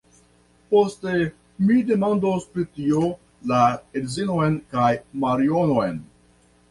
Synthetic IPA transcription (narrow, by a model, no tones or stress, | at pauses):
po̞ste̞ | mide̞mandospɾitio | laedzino̞jnkajmaɾionojn